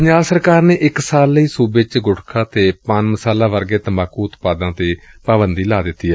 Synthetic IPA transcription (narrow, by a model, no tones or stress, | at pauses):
pəɲaːlsəɾkaːɾneːʔɪksaːlːiːsuːbet͡ʃɡʊʈkʰaːt̪eːpənməsaːlãːʋəɾɡeːt̪əmaːkːuːʊt̪paːd̪ãːt̪eːpaːbənd̪iːlaːd̪ɪt̪ːiːɛː